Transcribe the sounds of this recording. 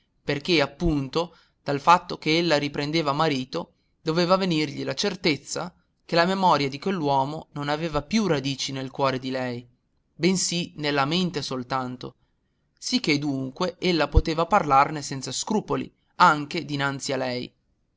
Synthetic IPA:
perk̟eapːunt̪o | d̪̥alfat̪ːok̟eelːaɾipɾend̪eːvamaɾiːt̪o | d̪oveːvavenirʎilat͡ʃert̪et̪sːa̰ | k̟elamemɔɾjad̪ikwelːwɔːmononaveːvapjurad̪iːt͡ʃinelkwɔːɾed̪ilɛj | bensinelːament̪esolt̪ant̪o̰ | sik̟ːed̪uŋkweelːapot̪eːvaparlarnesɛnt̪saskɾuːpolḭ | aŋk̟ed̪inant̪sialɛj

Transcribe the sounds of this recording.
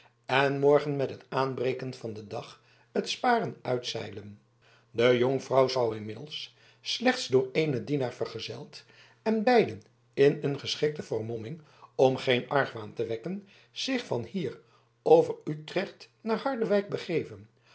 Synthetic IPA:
ɛnmɔɹχənmɛtɦətaːnbrejkənvɑndədɑχ | ətspaːrənœɥtsɛ̰jlən | dəjoŋfrɑwzʌwɪnmɪdl̩ˠs | slɛχtsdʊːɹejnədinaːɹvəɹχəzɛlˠt | ɛnbɛjdən | ɪnənχəsχɪk̚təvəɹmɔmɪŋ | ɔmχejnʔɑɹχʋaːntəʋɛkən | z̥ɪχfɑnhiːr | owvəɹytrɛχtnaːɹɦɑɹdəʋɛjk̚bəχejvən

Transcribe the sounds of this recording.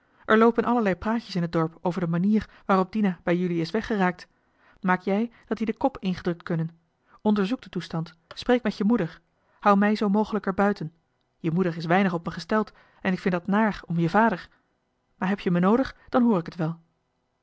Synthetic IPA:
ʔɛɹlowpənʔɑləɹlɛjpraːcəsɪnɦədɔɹpowvəɹdəmaniːɹ | ʋaːrɔb̚dinabɛjʏliɪsʋɛχəraːk̚t | maːkjɛjd̥ɑtdidəkɔpɪnχədrɵk̚tkɵnən | ɔndəɹzuk̚dətustɑntsprejkmɛtəmudəɹ | hʌwmɛjzowmowχələkəɹbœɥtən | jəmudəɹɪsʋɛjnəχɔpməχəstɛlˠt | ɛnɪkfɪndɑtnaːχɔmjəvaːdəɹ | maːɹɦɛpʰjəmənowdəχd̥ɑnɦʊːɹɪkətʋɛlˠ

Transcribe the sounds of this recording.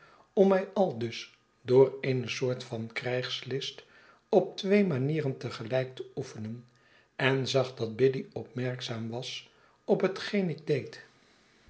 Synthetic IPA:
ɔmɛjɑlˠdɵs | dʊːrejnəsʊːɹtfɑnkrɛjχslɪst | ɔp̚tʋejmaniːrəntəχəlɛjk̚təufənən | ɛnzɑχdɑd̚bɪdiɔp̚mɛɹksaːmʋɑs | ɔpɦətχejnɪɡ̚dejt

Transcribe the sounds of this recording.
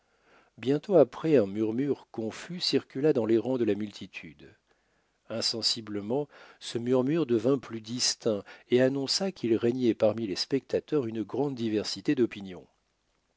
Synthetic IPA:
bjɛ̃t̪oapχɛɛ̃myʁmyʁkɔ̃fysiʁkʲylad̪ɑ̃leʁɑ̃d̪əlamylt̪ʰit̪ʰyd̪ | ɛ̃sɑ̃sibləmɑ̃səmyʁmyʁd̪əvɛ̃plyd̪ist̪ɛ̃eanɔ̃sakʰilʁɛɲɛpaʁmilɛspɛkt̪at̪œʁynəɡʁɑ̃d̪ːivɛʁsit̪ed̪ɔpinjɔ̰̃

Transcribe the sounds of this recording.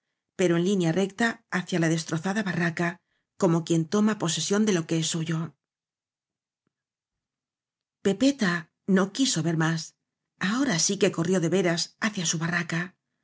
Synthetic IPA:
pe̞ɾo̞e̞nlinjare̞kt̪aːθjalaðe̞st̪ɾo̞θaðaβaraka | ko̞mo̞kje̞nt̪o̞mapo̞se̞sjo̞nd̪e̞lo̞ke̞e̞sːuʝo̞ | pe̞pe̞t̪a | no̞kiso̞βe̞ɾmas | ao̞ɾasike̞ko̞rjo̞ðe̞βe̞ɾasaθjasuβaraka

